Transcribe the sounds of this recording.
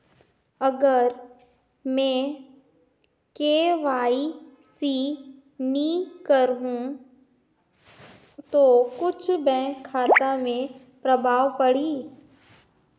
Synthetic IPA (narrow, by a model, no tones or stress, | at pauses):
ɐɡəɾ | mɛ̃ː | keːʋaːisiː | nikəɾɦũ | t̪oːkʊt͡ʃʰbɛ̃ːkʰːaːt̪amẽ | pɾɐbʱaːʋpɐɽiː